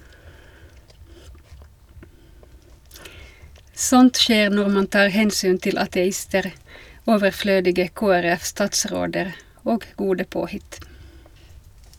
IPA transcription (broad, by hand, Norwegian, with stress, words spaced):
ˈsɔnt ˈʃeːʁ ˈnɔʁ ˈmɑn ˈtɑːʁ ˈhɛnsyːn ˈtɪl ɑtɛˈɪstəʁ ˈoːʋəˌfløːdɪɡə ˌkoːæˈʁɛf ˈstɑːtˌsʁoːdəʁ ˈoːɡ ˈɡuːdə ˈpoːhɪt